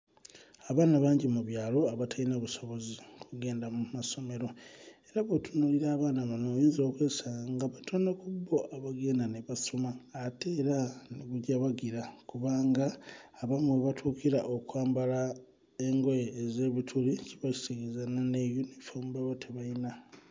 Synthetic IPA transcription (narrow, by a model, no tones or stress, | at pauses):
aβaːnaβaːɲɟimuβjaːlo̞aβatʰainaβuso̞βo̞zikʰuɡe̞ːndamumaso̞me̞ɾo̞eɾaβotunuːliɾaːβaːnaβanojiːnzo̞ːkwe̞ːsaŋɡaβatʰonokubːo̞ʔaβaɡe̞ːndaneβasomaːteːɾaneβuɟaβaɡiɾakuβaːŋɡaːβamweβatʰukiɾaʔokwaːmbala | eŋɡo̞jeːze̞ːβitʰuliciβasi̥teɡezananejunifomubaβotʰeβaina